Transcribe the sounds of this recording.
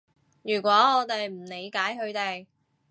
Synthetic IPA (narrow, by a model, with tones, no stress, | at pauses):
jyː˨˩kʷɔː˨˥ɔː˨˧t̪e˨jm̩˨˩ne˨˧jkaː˨˥jɦɵ˧ɥt̪e˨˩j